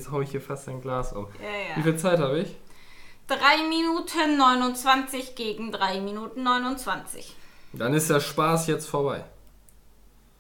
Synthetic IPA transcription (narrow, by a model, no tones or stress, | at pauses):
t͡shaʊɪçhiːɐfastaɪnɡlaːsʔʊ̰mjaiːfiːlt͡saɪthaːbəɪç | d̥ʁaɪminuːtʰənːɔʏnʊnt͡sv̥ant͡sɪçɡ̥eːɡŋ̩dʁaɪminuːtn̩nɔʏnʊnt͡sv̥ant͡sɪ̰çd̥anɪst̚d̥eːɐʃpaːsjɛt͡stfoːɐbaɪ